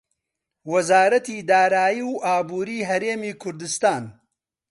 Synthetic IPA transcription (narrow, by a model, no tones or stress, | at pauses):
wɐzaːɾɐt̪iːd̪aːɾaːjiwʔaːbuːɾiːɦɐɾeːmiːkʰʊɾd̪ɨst̪aːn